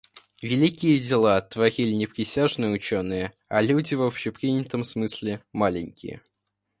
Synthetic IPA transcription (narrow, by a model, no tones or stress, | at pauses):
vʲɪlʲikʲɪjədʲɪlˠat̪vɐɾʲilʲɪnʲɪpɾʲɪsʲaʐnɨjəʊt͡ɕonːɨjə | ɐlʲudʲɪvopɕɪpɾʲinʲɪt̪əmsmɨsʲlʲɪmalʲɪnʲkʲɪ̰jə̰